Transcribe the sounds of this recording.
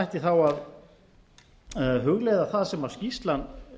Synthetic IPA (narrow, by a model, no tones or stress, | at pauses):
jht̪ɪθawað | ɦʏɣleːjðaθaðsɛmawscist̪lan